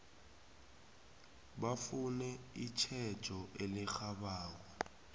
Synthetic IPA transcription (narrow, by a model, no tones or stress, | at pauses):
ɓafunɛit͡ʃʰɛd̥ʒ̥ʱɔʔelixaɓaːk̬ɔ